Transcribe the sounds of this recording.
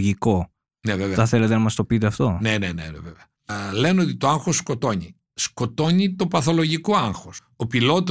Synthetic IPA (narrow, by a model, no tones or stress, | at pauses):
ʝiko̞ | neveveɐθelet̪enɐmɐst̪opit̪̬eɐft̪o̞ne̞ne̞̰nḛnḛveveɐ | le̞no̞t̪it̪oaŋxosko̞t̪o̞ɲi | sko̞t̪o̞ɲit̪o̞pɐθo̞lo̞ʝikoɐŋxos | opilo̞t̪o